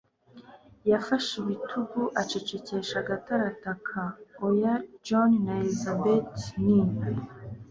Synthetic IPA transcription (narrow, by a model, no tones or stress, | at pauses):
jafaʃiβitʰuɡuʔat͡ʃe̞t͡ʃe̞ce̞ʃaɡataɾatakʰaojad͡ʒonnaelizabetniːme